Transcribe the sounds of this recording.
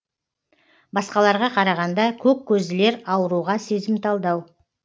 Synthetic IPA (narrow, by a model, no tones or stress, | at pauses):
bɑsqɑlˠɑɾʁɑqʰɑɾɑʁɑnd̪ɑkʲʰɵp̚kʲʰːɵzɪle̞ɾɑwəɾuʁɑse̞zɪmt̪ʰɑlˠd̪ɑw